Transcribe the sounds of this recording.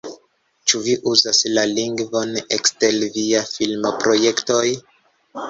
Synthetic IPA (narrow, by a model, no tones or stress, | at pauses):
t͡ʃuviʔuzaslaliŋɡvo̞nekste̞lviafilmopɾo̞je̞kto̞j